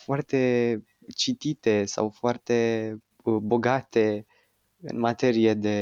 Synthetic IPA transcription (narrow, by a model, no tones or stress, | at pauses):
foart̪e̞ | t͡ʃit̪it̪e̞sa̰wfoart̪e̞ | bo̞ɡat̪e̞ | ɨ̰nmat̪e̞ɾijed̪e̞